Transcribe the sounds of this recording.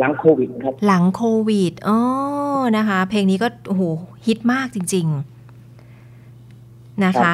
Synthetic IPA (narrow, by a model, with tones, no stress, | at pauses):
la˩˦ŋkʰoː˧wi˨˩kʰa˦˥la˩˦ŋkʰoː˧wi˨˩t̪̚ʔɔː˧˩na˦˥kʰa˦˥pʰleː˧ŋniː˦˥kɔː˥˩ʔu˧˩ɦoː˩˦hʰi˦˥t̪̚maː˥˩k̚t͡ɕi˧ŋt͡ɕi˧ŋ | na˦˥kʰa˦˥